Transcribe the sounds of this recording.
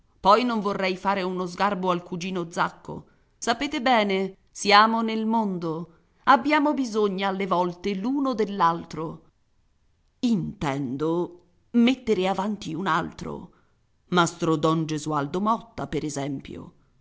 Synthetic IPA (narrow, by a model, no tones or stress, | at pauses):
pɔjnoɱvorːɛjfaːɾeunozɡarboalkud͡ʒiːnod̪zːakːo̰ | sapeːt̪ebɛːne | sjaːmonelmond̪o | abːjaːmobizoɲːaːlːevɔlt̪eluːnod̪elːalt̪ɾo | int̪ɛnd̪o | met̪ːeɾeavant̪iuna̰lt̪ɾo̰ | mast̪ɾod̪ɔnd͡ʒezuald̪omɔt̪ːapeɾezɛmpjo̰